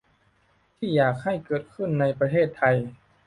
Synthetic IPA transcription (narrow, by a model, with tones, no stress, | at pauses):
t̪ʰiː˥˩jaː˨˩k̚ha˥˩jkɤː˨˩t̪̚kʰɯ˥˩nːa˧jpɾa˧t̪ʰeː˥˩t̪ʰːa˧j